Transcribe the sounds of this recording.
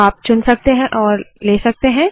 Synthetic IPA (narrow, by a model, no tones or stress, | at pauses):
aːp̚t͡ʃʊnsɐk̚t̪eɦɛ̃ʔɔːɾleːsɐk̚t̪eɦɛ̃ː